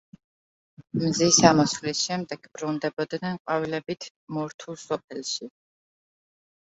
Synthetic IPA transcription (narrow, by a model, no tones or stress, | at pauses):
mzisamɔsvlisʃɛmd̪ɛɡ̥bɾund̪ɛbɔd̪nɛnqʼavilɛbit̪ʰ | mɔɾt̪ʰulˠsɔp̚ʰɛlˠʃi